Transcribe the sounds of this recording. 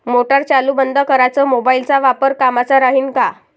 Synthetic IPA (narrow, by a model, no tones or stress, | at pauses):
moʈəɾt͡ɕaluːbənd̪əkəɾat͡səːmobailt͡saʋapəɾkamat͡saɾaɦiːnka